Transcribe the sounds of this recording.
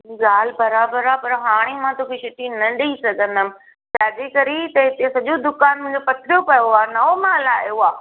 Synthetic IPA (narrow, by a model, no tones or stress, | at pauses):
ɡaːlbɐɾaːbəɾaːpɐɾɦaːɽ̃emãt̪oːkʰiʃɪʈinɐɗisɐɡʱə̃nd̪əmɪ̃̆ | t͡ɕaːd͡ʑekɐɾit̪ɐɦɪt̪ẽsɐʄod̪ʊkaːnmʊ̃ɦɪ̃ɲd͡ʑopɐt̪ʰɾjokɐjoaːnɐomãːlaːjoaː